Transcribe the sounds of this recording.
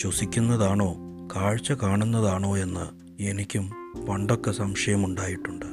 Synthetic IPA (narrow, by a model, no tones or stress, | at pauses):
t͡ɕosikʲːunːɐðaːɳo̞ːkaːɻt͡ɕːɐkaːɳunːɐðaːɳo̞ːe̞nːɨ | e̞nikʲːumpɐɳɖo̞kːesɐmʂɐjɐmuɳɖaːjiʈːuɳɖɨ